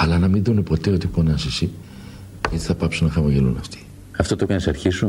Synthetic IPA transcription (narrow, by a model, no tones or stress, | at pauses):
ɐlɐnɐmiðune̞po̞t̪e̞o̞t̪iponɐsisi | ʝot̪i̥θɐpɐpsunɐxɐmoʝelṵnɐ̰ft̪i̥ | ɐft̪ot̪okɐnisɐɾçisu